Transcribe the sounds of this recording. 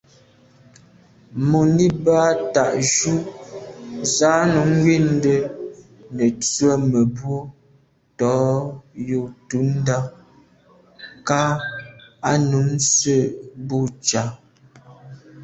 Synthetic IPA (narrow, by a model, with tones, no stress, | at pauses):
mo˨ni˦ba˦ta˨ʔʒu˦ | za˨˦nu˨˦ŋ˦wi˦˨n˦də˦ | nə˨t͡swə˦˨mə˨bwo˦ | tɔ˨˦jo˨tu˨˦n̩˦da˦ | ka˦ | a˦nu˨˦msə˦˨bu˦˨t͡ʃa˨˦